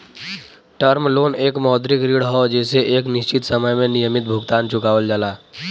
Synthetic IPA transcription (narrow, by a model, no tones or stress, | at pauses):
ʈəɾmloːneːkmɔːd̪ɾikɾiɽɦɔd͡ʒɛːseʔeːknɪst͡ʃit̪səməjmẽnijəmit̪̚bʱuɡt̪aːnt͡ʃʊkaːʋəld͡ʒaːlaː